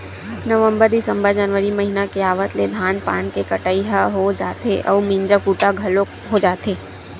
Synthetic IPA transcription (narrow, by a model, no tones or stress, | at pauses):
nəʋə̃mbəɾd̪ɪsə̃mbəɾd͡ʒənʋəɾimɐɦinakeaːʋət̪led̪ʱaːnpaːnkekɐʈəiɦaɦod͡ʒaːt̪eʔɔːʋmĩɲd͡ʒəkuːʈaɡʱɐlo | ɦod͡ʒaːt̪eː